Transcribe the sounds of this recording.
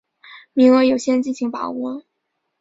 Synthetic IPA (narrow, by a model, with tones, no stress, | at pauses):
mi˧˥ŋɤ˧˥jo˨˩ʊɕjɛ˥˧t͡ɕi˥˩nɕi˧˥ŋpɑ˨˩ʊwɔ˥